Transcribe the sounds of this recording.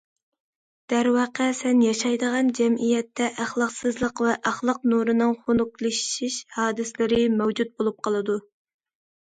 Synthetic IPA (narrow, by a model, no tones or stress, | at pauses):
d̪̥æɾwɑːqʰəsɛnjɑʃɑjd̪əʁɑnd͡ʒɛmijɛt̪ʰːɛʔæχlˠɑqsɨzlˠəqvɛʔæχlˠəq̚nuɾɨnɨŋχonʊklˠɨʃʃiʃhɑːd̪ɨslɪɾɪmɛwd͡ʒut̪̚bolˠup̚qʰɑlˠɨd̪u